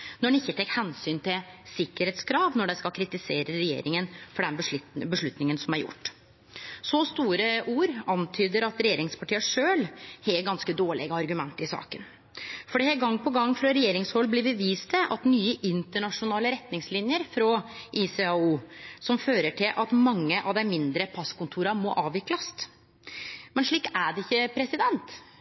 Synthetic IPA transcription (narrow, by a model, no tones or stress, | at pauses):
nɔɖɛɪçːət̪ʰɛkːhɛnsyːnt̪ʰɪlsɪkːəɾheːt̪skʰɾɑːʋnɔɖɛskɑlkʰɾɪt̪ɪseːɾəɾɛjḛːɾɪŋənfɔɖɛnbəʂbəʂɭʉt̪nɪŋənsɔmæɾjʊ̰ʈː | sɔst̪uːɾəʔuːɾɑnt̪ʰyːd̪əɾɑt̪ɾɛjeːɾɪŋspʰɑʈiːəʂøːlhɛɡɑnskəd̪oːɭɪ̰ɡəɑɾɡʉmɛnt̪əɾɪsɑ̰ːkən | fɔɖɛhɛɡɑŋːpʰɔɡɑŋːfɾɑɾɛjeːɾɪŋshɔlblɪbəʋiːst̪əʔɑt̪nyːəʔɪnt̪əɳɑʂʊnɑːləɾɛt̪nɪŋslɪnjəɾfɾɔʔɪsɛɑuːsɔmføːɾəʈʰɪlʔɑt̪mɑŋːəʔɑ̰ʋd̪ɛmɪnd̪ɾəpʰɑskʊnt̪ʰuːɾɑmɔʔɑːʋɪklɑst̪ | mɛnʂɭiːkːæɖɛɪçːəpʰɾɛsɪd̪ɛnt̪